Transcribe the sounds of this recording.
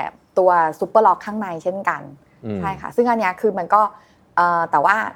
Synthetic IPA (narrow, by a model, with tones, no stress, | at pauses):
ɛ˨˩ | t̪u˧ɐsu˧˦˥pəː˧lɔː˦˥kʰːaː˥˩ŋna˧jt͡ɕʰe˥˩nka̰˧n | t͡ɕʰa˥˩jkʰa̰˥˩sɯ˥˩ŋʔa˧nːi˦˥ɐkʰɯː˧ma˧nkɔː˥˩ | ʔɤː˨˩t̪ɛː˨˩waː˥˩